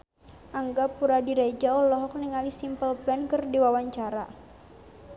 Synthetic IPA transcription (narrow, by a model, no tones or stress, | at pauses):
ʔaŋɡapuɾadiɾad͡ʒaɔlɔɦɔk̚niŋalisimpəlplɛnkɨrdiwawaɲt͡ʃaɾa